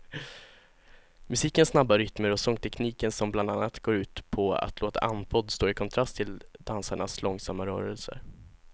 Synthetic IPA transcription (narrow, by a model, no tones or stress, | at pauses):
mɵsiːkənsnabːaɾʏt̪məɾɔsɔŋt̪ʰɛkniːkənsɔmbland̪anːat̪ɡoːɾʉ̟ːt̪pʰɔa̰t̪ʰloːt̪a̰ʔanːpʰɔd̪ːst̪oːɪkʰɔnt̪ʰɾast̪ʰɪld̪̥ansaɳaslɔŋsamːaɾœ̰ːɾəlsə̰ɾ